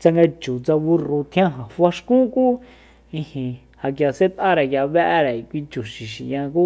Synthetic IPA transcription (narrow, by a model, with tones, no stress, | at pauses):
t͡sa˧ŋɡa˧t͡ʃu˨t͡sa˧βu˧ru˧t̪ʰj̃ã˦ɦã˨fa˧ʃkũ˦kuː˦ | ĩ˧hĩ˧ | ha˨k̬ja˨se˦t̪ʔa˦ɾa˨kja˧βɛ˦ʔɾa˨i˨kʷi˧t͡ʃu˨ʃi˨ʃi˨jã˧kuː˦